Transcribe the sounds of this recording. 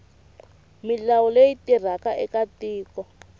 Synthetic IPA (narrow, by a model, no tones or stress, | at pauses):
milawɔlejitir̤akaʔɛkatiːkɔ